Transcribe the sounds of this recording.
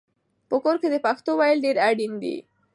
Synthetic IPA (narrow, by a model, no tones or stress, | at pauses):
pəkoɾked̪əpaxt̪owajlɖeɾaɖind̪ḭ